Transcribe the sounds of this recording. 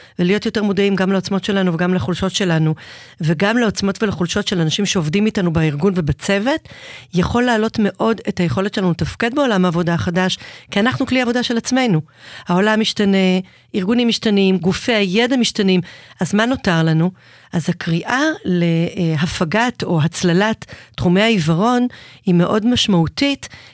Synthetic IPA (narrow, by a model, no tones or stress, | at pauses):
velijo̞tjo̞te̞ʁmodaimɡamleot͡smo̞tʃe̞lanuveɡamlaχulʃo̞tʃe̞lanuveɡamleo̞t͡smo̞tvelaχulʃo̞tʃe̞lanaʃimʃeo̞vdimitanubaiʁɡunve̞bat͡se̞ve̞tjaχo̞lːaːlo̞tmeʔo̞de̞thajeχo̞letʃelanuetafked̚beo̞lamaːvo̞daχadaʃkianaχnukliavo̞daʃe̞lat͡sme̞jnuhao̞lamːiʃtane̞ | iʁɡunimːiʃtanimɡufeajedamiʃtanimʔazmano̞taʁlanu | ʔazhakʁiʔale̞ɦafaɡato̞ɦat͡slalatːχumeaivaʁo̞nhime̞ʔo̞dmaʃmautit